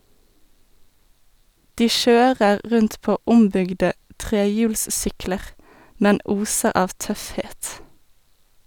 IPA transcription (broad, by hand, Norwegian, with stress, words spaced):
ˈdiː ˈʃøːʁəʁ ˈʁʉnt ˈpoː ˈʊmbʏɡdə ˈtʁeːˌjʉːlsˌsʏkləʁ ˈmɛn ˈuːsəʁ ˈɑːʋ ˈtœfˌheːt